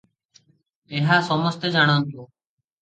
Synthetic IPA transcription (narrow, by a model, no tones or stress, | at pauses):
eːɦaːsoːməst̪eːd͡ʒaːɳãːnt̪oː